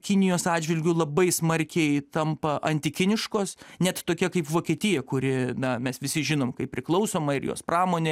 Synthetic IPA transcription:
kʲɪnʲɪjoːsɑːdd͡ʒʲʋʲɪlʲɡʲʊlˠɐbɐɪsmɐɾʲkʲɛɪt̪ɐmpɐʔɐnʲt̪ʲɪkʲɪnʲɪʃkoːsnʲɛt̪t̪oːkʲɛkɐɪpʋoːkʲiːt̪ʲɪjɛkʊɾʲɪnɐmʲɛsʋʲɪsʲɪʒʲɪnoːmkɐɪp̚pʲɾʲɪklˠɐʊsoːmɐɪrjo̰ːspɾɑːmoːnʲe

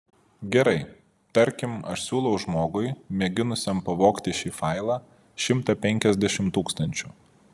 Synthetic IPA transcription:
ɡʲɛɾɐɪ | t̪ɐɾʲkʲɪmɐ̰ʃsʲuːlˠɐʊʒmoːɡʊɪmʲɛɡʲɪnʊsʲɛmpɐʋoːkt̪ʲɪʃʲiːfɐɪlˠɑː | ʃʲɪmt̪ɐpʲɛŋʲkʲɛzʲd̪ʲɛʃʲɪmt̪uːkst̪ɐnʲt͡ʃʲʊ

